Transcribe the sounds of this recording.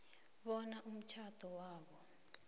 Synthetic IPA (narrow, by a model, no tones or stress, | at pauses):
ɓɔnaʔum̩t͡ʃʰad̥ʱɔwaːɓɔ